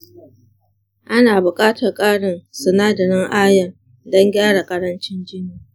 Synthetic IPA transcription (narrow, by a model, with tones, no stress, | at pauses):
ʔa˦naː˨bʊ˨kʼaː˦tʰɐ˨rkʼaː˦ɽɪ˨nsɐ˨naː˦dɐ˨ɽɪ˦ŋʔaː˦jɐ˨r | dɔ˦ŋɡʲaː˦ɽa˨kʼɐ˦ɽɐ˦nt͡ʃɪ˦nd͡ʒɪ˦niː˨